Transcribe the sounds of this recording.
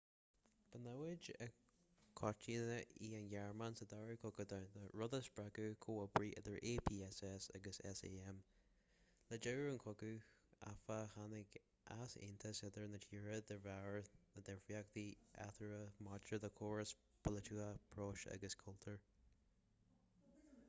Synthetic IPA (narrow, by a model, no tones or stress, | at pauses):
b̥ənawɪd͡ʒə̰ | kʰɔt͡ʃinəiːənjaɹmansəd̪aɹəkʰʊkəd̪ədəɹʊd̪əsbɹaɡukʰoːəbɹiʔɪ̰d̪əɹʔeːpʰiːɛsɛsa̰ɡəsɛ̰sḛːɛm | ləd͡ʒəɹənkʰʊkua̰fəhanɪɡ | ʔasɪ̰nt̪ʰəsɪd̪əɹnət͡ʃʰiːɹəd̪əɹaɹləd̪ɛfiak̚d̪iʔa̰t̪ʰəɹəmat͡ʃəðəkʰoːɹs | pʰəlɪtuapʰɹoːʃa̰ɡəskʰʊltʰəɹ